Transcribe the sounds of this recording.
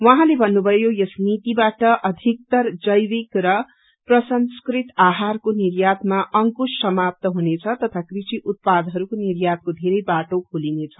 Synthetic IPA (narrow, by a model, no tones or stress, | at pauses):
wʌɦãlebʱʌnːubʱʌjojesnit̪ibaʈʌʔʌd̪ʱik̚t̪ʌrd͡zʌjɾikrʌ | prʌsʌnskrit̪aɦarkoniɾjat̪maʔʌŋkusːʌmap̚t̪ʌɦunet͡sʰʌt̪ʌt̪ʰakrisiʔut̪̚pad̪ɦʌɾukoniɾjat̪̚kod̪ʱeɾʌjbaʈokʰulinet͡sʰʌ